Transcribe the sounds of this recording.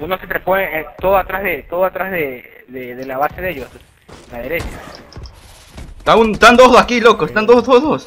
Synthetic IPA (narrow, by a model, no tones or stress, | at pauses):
unosepɾeponeet̪oðoat̪ɾazðet̪oðoat̪ɾazðe | ðeðelaβase̞ðeʝos | laðeɾe̞t͡ʃa | t̪aunest̪and̪ozðakilokosest̪and̪ozðozðos